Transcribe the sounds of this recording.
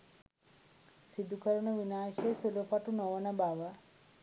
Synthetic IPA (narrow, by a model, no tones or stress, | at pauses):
sid̪ukəɾəɳəʋinaːʃesulopaʈunoʋənəbaʋə